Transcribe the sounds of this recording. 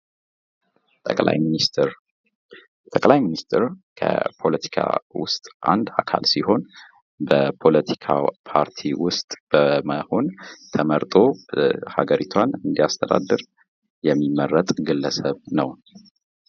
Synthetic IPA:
t̪ʼəkʼla̰jmnist̪ɾ | t̪ʼəkʼlajminist̪ʰɾkʰə̰pʰo̞lət̪ʰi̥kʰa̰wʊ̰st̪ʼʔand̪akʰa̰lsiho̞n | bəpʰo̞lət̪ʰi̥kʰa̰pʰaɾt̪ʰiwʊst̪ʼb̥əməho̞nt̪ʰəməɾt̪ʼo̞ha̰ɡəɾit̪ʰwanɨnd̪iast̪ʰəd̪a̰d̪ːɨɾ | jɛmːimːərːət̪ʼɡɨlːəsəβnəw

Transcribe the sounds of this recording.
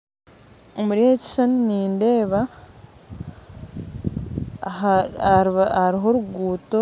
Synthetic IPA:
omuɾihe̞ci̥ʃaniniːnde̞ːβa | haɾiɦo̞ɾuɡuːto̞

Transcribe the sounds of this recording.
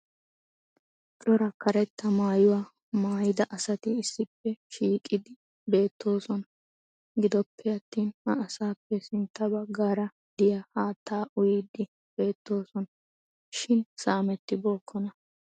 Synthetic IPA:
t͡ʃʼɔɾɐkɐɾɛt̪ːɐmaːjʊwaː | maːjɪd̪ɐʔɐsɐt̪ɪːsːɪpːɛʃiːkʼɪd̪ɪ | be̞ːt̪ːo̞ːsɔnɐ | ɡɪd̪ɔpːɛɐt̪ːiːnhɐːsaːpːɛsɪnt̪ːɐbɐɡːaːɾɐ | d̪ɪjɐhaːt̪ːaːʔʊjɪd̪ɪ | b̥e̞ːt̪ːo̞ːsɔnɐ | ʃɪnsaːmɛt̪ːɪboːkʰːɔnɐ

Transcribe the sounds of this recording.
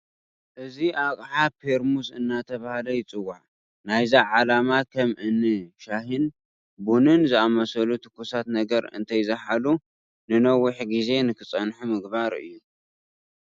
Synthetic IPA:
ʔɨziʔakʼħapʰeɾmusɨnːat̪ʰɐβahlɐjɪt͡sʼɨwːaħ | najzaʕalamakʰɐmʔɨnːɨʃaɦin | bunɨnzɨamɐsɐlut̪ʰɨ̥kʰːusat̪nɐɡɐɾɨ̰nt̪ʰɐjzɐħalu | nɨnɐwʊħɡize̞nɨkʰɨt͡sʼɐnħumɨɡbaɾɨ̰jːu

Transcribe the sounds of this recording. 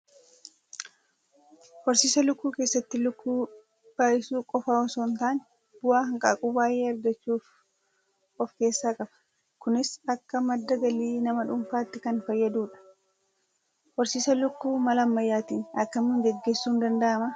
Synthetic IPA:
hɔɾsiːsɐlʊkːuːke̞ːsːɐt̪ːɪlʊkːuː | b̥aːjɪsuːkʼɔfaːɔsoːnt̪aːnɛ | b̥ʊwaːhɐŋkʼaːkʼuːbaːjʔeːɐɾɡɐt͡ʃːuːf | ɔfke̞ːsːaːkʼɐfɐ̥ | kʊnɪsɐkːɐmɐd̪ːɐɡɐliːnɐmɐᶑʊmfaːt̪ːɪkɐnfɐjːɐd̪uːᶑɐ̥ | hɔɾsiːsɐlʊkːuːmɐlɐmːɐjːaːt̪iːnɐkːɐmnuːnɡɛɡːeːsːuːnd̪ɐnd̪ɐʔɐmɐ

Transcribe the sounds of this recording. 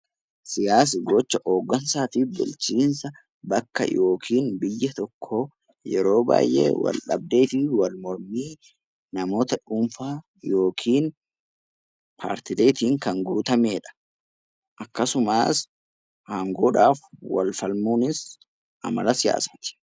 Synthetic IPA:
sɪjaːs̬ɪɡɔt͡ʃːɐʔoːɡːɐnsaːt̪ibʊ̰lt͡ʃiːnsɐ | bɐkːɐ̰jʔo̞ːkʰiːnbɪjːɐt̪ɔkʰːo | jɛɾo̞ːba̰ːjʔḛːwɐ̰lᶑɐ̰b̚d̪e̞ːt̪iwɐlmɔɾmiː | nɐmo̞ːt̪ɐᶑuːmfaː | jo̞ːkʰiːn | pʰa̰ːɾt̪ɪle̞ːt̪iːŋkɐŋɡuːt̪ɐmeːᶑɐ̥ | ʔɐkːɐsʊmaːs | haːŋɡo̞ːᶑaːfwɐ̰lfɐlmuːnɪs | ʔɐ̰mɐlɐsɪja̰ːsaːt̪ɪ̥

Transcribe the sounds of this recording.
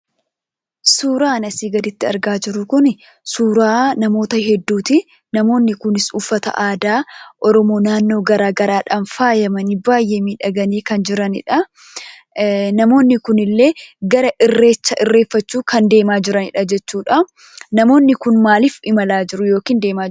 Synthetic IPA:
suːɾaːnɐsiːɡɐd̪ɪt̪ːɪɐ̰ɾɡaːd͡ʒɪɾʊkʊn | suːɾaːnɐmo̞ːt̪ɐhɛd̪ːuːt̪ɪ | nɐmo̞ːnːɪkʊnɪsʊfːɐt̪ɐ̰ʔaːd̪aːʔɔɾɔmo̞ːnaːnːo̞ːɡɐɾaːɡɐɾaːᶑɐnfaːjɐmɐnɪbaːjːeːmiːᶑɐɡɐniːkɐnd͡ʒɪɾɐnɪ̰ᶑɐ | nɐmo̞ːnːɪkʊnɪlːe̞ːɡɐɾɐʔɪrːe̞ːt͡ʃːɐʔɪrːe̞ːfːɐt͡ʃːuːkɐnd̪e̞ːmaːd͡ʒɪɾɐnɪᶑɐd͡ʒɛt͡ʃːuːᶑɐ | nɐmo̞ːnːɪkʊnmaːlifɪmɐlaːd͡ʒɪɾʊjo̞ːkiːnd̪e̞ːmaː

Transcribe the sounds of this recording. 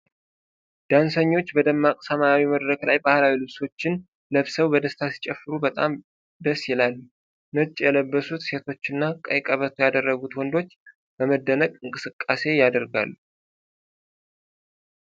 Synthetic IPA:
d̪̥ansəɲːo̞t͡ʃːbəd̪əmːakʼsəmajawiməd̪ɾəklajbahlawilɨβso̞t͡ʃːɪn | ləβsəwbəd̪əst̪ʰasi̥t͡ʃʼɛfːɨɾubət̪ʼam | d̪əsːjɪlalːu | nət͡ʃʼːjɛləbːəsut̪se̞t̪ʰo̞t͡ʃːɪnːakʼə̰jkʼəβət̪ʰujad̪ərːəɡut̪wɔnd̪o̞t͡ʃː | b̥əməd̪ːənəkʼɨŋkʼɨsɨkʼːase̞jad̪əɾɡa̰lːu

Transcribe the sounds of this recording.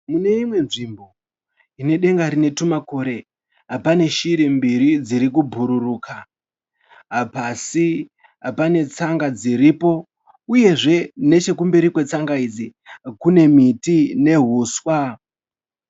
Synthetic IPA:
mune̞imwe̞nʐimbo̞ | ine̞ɗe̞ŋɡaɾine̞tumako̞ɾe̞ | ɦapane̞ʃiɾembiɾid͡ziɾik̬ubʱuɾuruːka | ɦapasi | ɦapane̞t͡saŋɡad͡ziɾipo̞ | uje̞ʐe̞ne̞t͡ʃe̞kumbeɾikwe̞t͡saŋɡaid͡zikune̞mitine̞ɦuːswa

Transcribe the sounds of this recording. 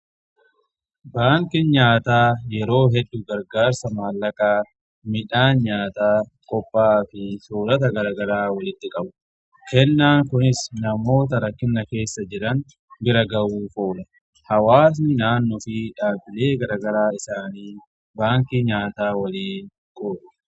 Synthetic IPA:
baːŋkɪɲaːt̪aːjɛɾo̞ːɦɛdːʊɡɐɾɡaːɾsɐmaːlːɐkʼaː | mɪᶑaːnɲaːt̪aːkʼɔpʼːaːfɪsuːɾɐt̪̬ɐɡɐɾaːɡɐɾaːwɐlɪt̪ːɪkʼɐbʊ̥ | kɛnːaːŋkʊnɪsnɐmo̞ːt̪̬ɐɾɐkːɪnːɐke̞ːsːɐd͡ʒɪɾɐn | bɪɾɐɡɐwuːfoːᶑɐ | hɐwaːs̬nɪnaːnːɔfɪᶑaːbɪleːɡɐɾaːɡɐɾaːɪsaːniː | baːŋkiɲaːt̪aːwɐliːn | kʼoːᶑʊ̥

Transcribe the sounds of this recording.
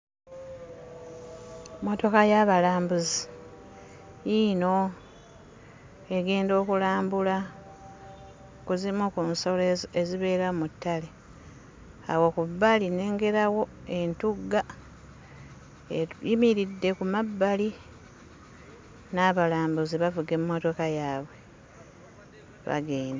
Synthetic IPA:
mo̞to̞kajaβalaːmbuzi | ino̞ | e̞ɡe̞ːndo̞ːkulaːmbula | kuzimukunso̞leeziβe̞ːɾamutːale | a̰wokubːaline̞ːŋɡe̞ɾawo̞ | e̞ntuɡa | jimiɾidːe̞kumabːali | naːβalaːmbuziβavuɡe̞mmːo̞to̞kajaːβwe̞ | βa̰ɡe̞ːnde

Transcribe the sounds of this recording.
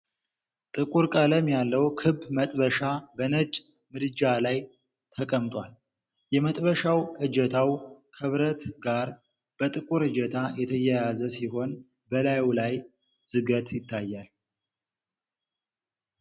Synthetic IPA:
t̪ʼɨkʼuɾkʼələmjalːəwkʰɨbmət̪ʼβəʃabənət͡ʃʼ | mɨd̪ɨd͡ʒalaj | t̪ʰəkʼəmt̪ʼwal | jɛmət̪ʼbəʃawʔɨd͡ʒɛt̪ʰawkʰəβɾət̪ɡaɾ | b̥ət̪ʼɨkʼuɾɨd͡ʒət̪ʰajɛt̪ʰəjɛjazəsiɦo̞n | bəlajwlaj | z̥ɨɡət̪jɪt̪ʰːajːal

